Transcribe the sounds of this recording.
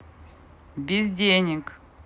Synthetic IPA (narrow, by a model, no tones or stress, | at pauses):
bʲizʲd̪ʲenʲik